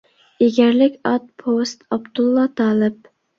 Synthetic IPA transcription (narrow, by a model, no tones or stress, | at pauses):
eɡʲɛɾlɪkʲɑt̪̚pʰost̪ɑbd̪ulˠːɑt̪ʰɑːlˠɨp̚